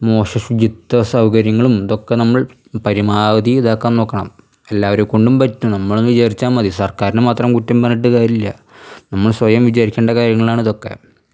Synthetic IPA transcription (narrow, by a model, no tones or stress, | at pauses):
mo̞ːʂɐɕud͡ʑit̪ːɐsɐwkɐɾjɐŋːɐɭumɐðo̞kːenɐmːɐɭ | pɐɾimaːʋɐd̪iiðaːkːaːnnoːkːɐɳɐ̰m | e̞lːaːʋɐɾuko̞ɳɖumpɐtːunɐmːɐɭunːʋid͡ʑaːɾit͡ɕːaːmmɐðisɐrkaːɾinɨmaːt̪rɐmkutːɐmbɐnːiʈːɨkaːɾilːɐ̰ | nɐmːɐɭsʋɐjɐmʋid͡ʑaːɾikʲːeɳɖɐkaːɾjɐŋːɐɭaːɳɐðo̞kːe̞̰